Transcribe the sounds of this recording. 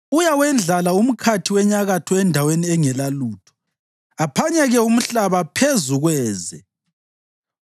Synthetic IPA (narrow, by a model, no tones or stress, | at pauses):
ujawɛnd͡ɮʱalaum̩kʰatʰiwɛɲaɣatʰɔɛndʱaweniɛŋɛlaluːtʰɔ̥ | apʰaɲɛɣɛum̩ɬaβapʰezuɣwɛːzɛ